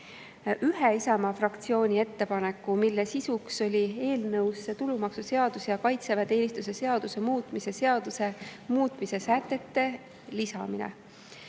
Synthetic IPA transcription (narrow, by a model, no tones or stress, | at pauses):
yɦeisɑmɑfrɑkt̪sio̞ːnʲie̞t̪ːe̞pɑnekːˑumilːesisukso̞lʲie̞ːlnɤwsːet̪ulumɑksuse̞ɑd̪usejɑkɑjt̪sevɑt̪e̞ːnʲist̪use̞seɑd̪̥use̞muːt̪ˑmise̞seɑd̪̥usemuːt̪ˑmise̞sæt̪ːˑe̞t̪ːe̞ | lisɑminḛ